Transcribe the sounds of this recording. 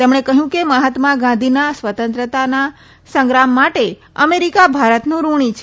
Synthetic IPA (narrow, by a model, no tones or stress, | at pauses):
t̪emɳekəɦjũkeməɦat̪mãɡãnd̪ʱinasʋət̪ə̃nt̪ɾət̪ana | sə̃ŋɡɾamːaʈe | əmeɾikabʱaɾət̪nũɾuɳ̃it͡ʃʰ